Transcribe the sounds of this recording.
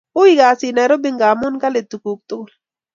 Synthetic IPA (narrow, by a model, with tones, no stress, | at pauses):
ʊ˦i˦ɡa˨sɪ˨na˨ɾo˦bi˦ŋɡa˨mʊ˦nka˦le˨t̪u˨ku˨k̚t̪ʊ˦kl